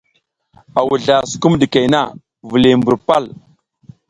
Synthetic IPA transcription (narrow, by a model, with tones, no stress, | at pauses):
a˨wu˨ɮa˨su̥˨ku˦mɗi˨ke˨na˦˨ | vu˨li˨mbu˨ɾpa˦˨l